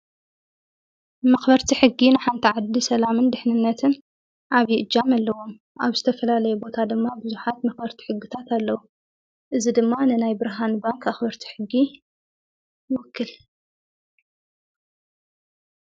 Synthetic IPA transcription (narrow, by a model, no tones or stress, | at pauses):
mɐxbɐɾt̪ʰiħɨɡːinɨħant̪ʰiʕad̪ːisɐlamɨnd̪ɨħnɨnːɐt̪ʰɨn | ʕaβjiʔɨd͡ʒamalːɐwo̞m | ʔaβzɨt̪ʰɐfɐlalɐjubo̞t̪ʰad̪ɨmːabɨzuħat̪mɐxbɐɾt̪ʰi̥ħɨɡːɨt̪ʰat̪alːɐwu | ʔɨzid̪ɨmːanɨnajbɨɾɦanbaŋkaxbɐɾt̪ʰi̥ħɨɡːi | jɪwɔkʰːɨl